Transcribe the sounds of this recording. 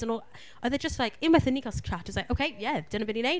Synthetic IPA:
ə̃nɔlˠ | əðəd͡ʒʌstˡlaɪkɪ̃nmaɪθɨnikəskʰɹ̥atəwzlaɪʔoʊkʰeɪjævd̥ʌdn̩əbɛnĩneɪ

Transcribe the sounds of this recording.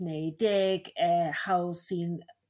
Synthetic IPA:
nejdɪɡɛhawsin

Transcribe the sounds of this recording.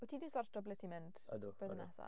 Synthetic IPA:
ɔtʰiːdisɔrtɔblɪtʰimɪnd̥əd̪̥əðnɛsa̰

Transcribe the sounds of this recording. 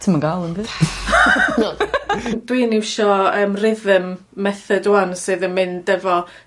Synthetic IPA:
tʰəmənɡalˠənbɨ̥ː | d̥wiːnɪwʃɔəːmrɪðəmː | ɛθɛduansɨðənmɪndɛvɔ

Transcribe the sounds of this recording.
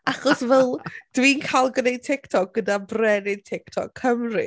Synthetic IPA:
aχɔsvɛlˠd̥wiːnkʰajlˠɡənejd̚tʰɪktʰɔk̚ɡ̥ədabrɛnetʰɛktʰɔ̰kʰːəmrɨ̰

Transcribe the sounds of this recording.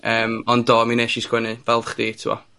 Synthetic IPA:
əːmɔndɔːmineʃiskwɛnɨvɛlˠvχd̥iːtʰɪwɔ̰

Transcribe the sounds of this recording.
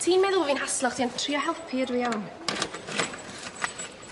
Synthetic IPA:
tʰiːmɛðʊlˠvinɦaslˠɔχd̥iantʰriɔɦɛlˠpʰiədwian

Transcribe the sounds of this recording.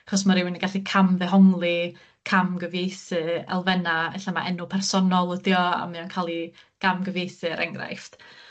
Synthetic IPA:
aχɔs̬maɾɪwɪnəɡaɬikʰamðɛɦɔŋlˠi | kʰamɡəvejθɨɛ̰lˠvɛnaɛɬama̰ʔɛnʊpʰɛrsɔnɔlˠədjɔa̰mɨɔnkʰalˠiɡ̥amɡəvejθɨɾʔɛŋɡra̰jft

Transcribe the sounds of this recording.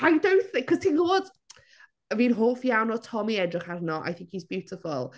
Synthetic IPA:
ajdownθɪkʰːɔz̥tʰĩnɡoːd̥ | əviːnɦoːfjawnɔtʰɔmiɛdrɪχarnɔʔa̰jθɪ̃ŋkhizbjɪwtʰɪfʊlˠ

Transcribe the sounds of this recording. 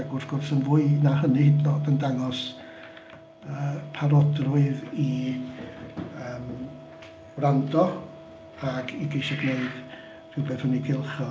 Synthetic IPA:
aɡʊrsɡ̥ʊrθənvʊːɨnahənihɪdlɔdəndaŋɔs | əːpʰaɾɔdrʊɨði | əːm | wrandɔ | aɡiɡejʃɛɡneɨd̥ | r̥ɪwbeːθhəniɡʰɪlˠχɔ

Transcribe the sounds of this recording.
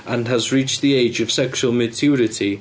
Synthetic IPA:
ʔə̃nəzɹiˑt͡ʃðieɪd͡ʒəv̥sɛkʃuəlˠmətʰʉːɹɪtʰi

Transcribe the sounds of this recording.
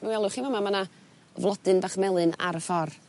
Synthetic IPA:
mɛwɛlˠʊχivɔmamana | vlˠɔdɨnbaχmɛlˠɨna̰ɾəfɔr

